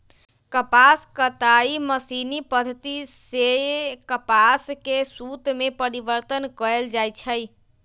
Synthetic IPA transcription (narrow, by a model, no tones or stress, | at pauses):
kəpaskət̪aiməsinipəd̪ʱət̪issekəpaskesut̪mepəɾibəɾt̪ənkəeld͡ʒajt͡ʃʰəj